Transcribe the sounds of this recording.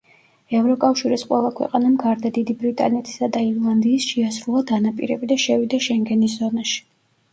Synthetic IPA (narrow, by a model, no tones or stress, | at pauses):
ɛvɾɔkʼafʃiɾisqʼwɛlˠakʰwɛ̰qʼanamɡaɾd̪ad̪id̪ibɾit̪ʼa̰nɛt̪ʰi̥sad̪aiɾlˠand̪iːsʃiasɾulˠad̪anapʼḭɾɛbid̪aʃɛvid̪aʃɛŋɡɛnis̬zɔnaʃi̥